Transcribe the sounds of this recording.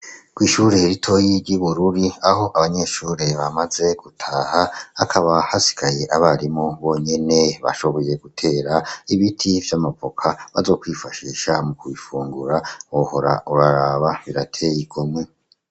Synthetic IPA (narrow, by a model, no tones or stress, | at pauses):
kwiːʃuɾe̞ɾitʰo̞jiɾɟiβuɾuɾiaɦo̞ʔaβaɲe̞ːʃuːɾe̞βamaze̞ɡ̥utʰaːhaakʰaβahasi̥kʰaje̞ʔaβaɾimoβo̞ːɲe̞neβa̰ʃo̞βo̞je̞ɡutʰe̞ːɾaiβitʰivjamapo̞kʰaβa̰zo̞ːkwiːfaʃiːʃamukuifuːŋɡuɾaoho̞ɾa̰uɾaɾaːβaβiɾatʰe̞jiɡomŋe